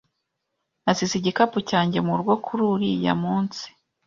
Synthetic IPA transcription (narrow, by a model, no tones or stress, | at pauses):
nasiziɟikapucaːɲɟe̞muɾɡokʰuɾuɾḭja̰muːnsi̥